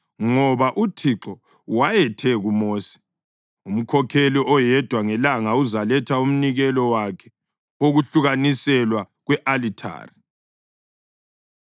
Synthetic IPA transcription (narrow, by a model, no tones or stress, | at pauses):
ŋɔβaʔutʰiǁɔ | wajɛtʰɛɣumoːsi̥ | um̩kʰɔkʰeliɔjɛd̥ʱwaŋɛlaŋauzalɛtʰaum̩niɣɛlɔwakʰɛ̥ | oɣuɬuɣanisɛlwa | ɣwɛʔalitʰa̰ːri